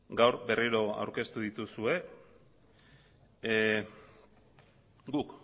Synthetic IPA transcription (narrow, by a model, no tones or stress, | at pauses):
ɡawɾbe̞riɾo̞a̰wɾke̞st̪uðit̪usue̞ | ɡuk